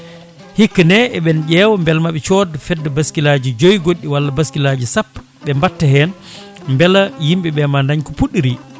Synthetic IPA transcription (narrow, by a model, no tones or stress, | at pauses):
hikːnɛɛɓɛnɟɛːwɔmbɛlmaɓɛt͡ʃɔdfɛdːɛbaskilad͡ʒid͡ʒojɡoɗːiwalːabaskilad͡ʒisapː | ɓɛmbatːaɦɛn | mbɛlajimɓɛɓɛmandaɲkɔpuɗːiɾi